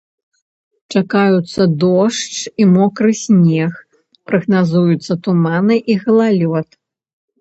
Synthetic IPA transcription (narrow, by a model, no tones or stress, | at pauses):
t͡ʂakajut̪sːɐd̪ɔʂt͡ʂimɔkɾɨsʲnʲɛx | pɾɐɣnazujut̪sːɐt̪umanɨʔiɣɐlˠalʲɔt̪